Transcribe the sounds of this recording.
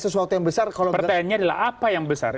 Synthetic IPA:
səsuat̪ujaŋbəsarkalopərɡ̪aanɲaːdala̰hapajaŋbəsa̰r

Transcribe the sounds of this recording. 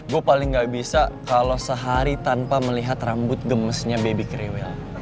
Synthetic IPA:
ɡuapalɪŋɡabisakalosəɦaɾit̪anpaməliɦat̪rambʊt̪̚ɡəməsɲabebikɾewɛl

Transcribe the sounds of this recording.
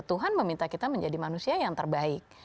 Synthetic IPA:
t̪uɦanməmint̪akit̪aməɲd͡ʒadimanusiajaŋt̪ərbaɪk̚

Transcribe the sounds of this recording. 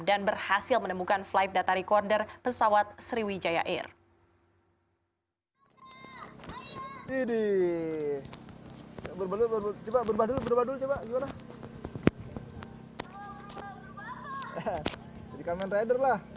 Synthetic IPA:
danbərhasɪlmənəmukanflaɪt̪̚dat̪aɾikɔrdərpəsawat̪̚səɾiwid͡ʒaja̰ʔɪ̰r | tidi | bərbadʊlbət͡ʃubabərbadʊlbərbadʊlt͡ʃabaɡimanah | d͡ʒadikamanradərlah

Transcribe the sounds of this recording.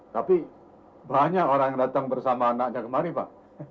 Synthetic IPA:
t̪api | baɲakoɾaŋjaŋdat̪aŋbərsamaːnad͡ʒakəmaɾipa̰ʔ

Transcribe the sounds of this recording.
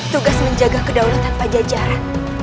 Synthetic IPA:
t̪uɡasmə̃ɲd͡ʒaɡahkədawlat̪anpad͡ʒat͡ʃaɾa

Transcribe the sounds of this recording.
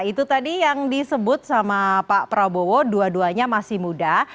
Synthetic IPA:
it̪ut̪adijaŋdisəbʊt̪̚samapapɾabowoduaduaɲamasɪhmuda

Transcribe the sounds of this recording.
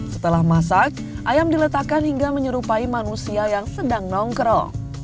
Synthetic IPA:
sət̪əlahmasak̚ | ʔajamdilət̪akanhiŋɡaməɲəɾupaimanusiajaŋsədaŋnɔŋkɾɔ̰

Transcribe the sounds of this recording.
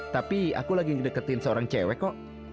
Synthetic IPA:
t̪apia̰kulaɡiŋədəkət̪ɪnsəoɾaŋt͡ʃɛwɛkːɔʔ

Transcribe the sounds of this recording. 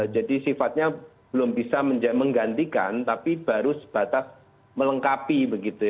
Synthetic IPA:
d͡ʒadisifat̪̚ɲab̥əlʊmbisaməɲd͡ʒaməŋɡant̪ika̰nt̪apib̥aɾʊsb̥at̪as | mələŋkapibəɡit̪uj

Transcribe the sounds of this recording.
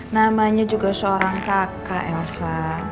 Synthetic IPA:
namaɲad͡ʒuɡasəoɾaŋkakaʔɛlsa

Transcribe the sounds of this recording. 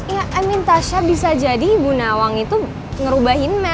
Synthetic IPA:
jaamint̪aʃabisad͡ʒadibunawaŋit̪u | ŋəɾubaɦinmɛ

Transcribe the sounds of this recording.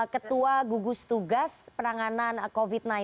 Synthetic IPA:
kət̪uaɡuɡust̪uɡaspəɾaŋanankofit̪̚na

